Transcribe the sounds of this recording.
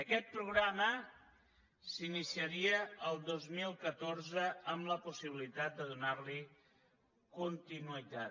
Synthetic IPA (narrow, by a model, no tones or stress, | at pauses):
əkɛt̪̚pɾuɣ̞ɾamə | sinisiəɾiəəlˠd̪ozmilˠkət̪oɾzəəmləpusiβilit̪at̪̚d̪əðunarli | kunt̪inuit̪a